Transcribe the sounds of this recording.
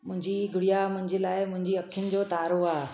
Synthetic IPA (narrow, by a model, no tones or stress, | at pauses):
mʊ̃ɦɪ̃ɲd͡ʑiɡʱʊɽijamʊ̃ɦɪ̃ɲd͡ʑelaːɪmʊ̃ɦɪ̃ɲd͡ʑiɐkʰjənɪ̆d͡ʑoːt̪aːɾoaː